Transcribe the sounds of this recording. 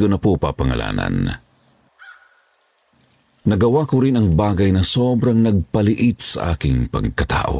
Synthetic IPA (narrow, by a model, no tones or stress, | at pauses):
onɐpopa̰pɐŋɐ̰lʔa̰ːna̰n | nɐɡɐwakʊɾɪnɐŋbaːɡɐjnɐsobɾaŋnɐɡ̚pɐlɪʔit̪̚sɐ̰ʔa̰ːkɪŋpɐ̰ɡ̚kɐt̪a̰ːʔo̰